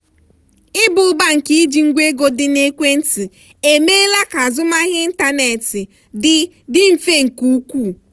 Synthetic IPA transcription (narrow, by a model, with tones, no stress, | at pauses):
ɪ˦bʊ˨˦ba˦ŋ̩˨ki˦i˦d͡ʒi˨ŋ̩˦ɡʷe˦ɡo˦dɪ˦ne˦kʷe˦n̩˦ti˨ | e˨me˦la˦ka˨zʊ˦ma˦ɣɪ˦n̩˦ta˦ne˨tɪ˨ | dɪ˦ | dɪ˦m̩˨fe˦ŋ̩˨ku˦u˦kʷu˦˨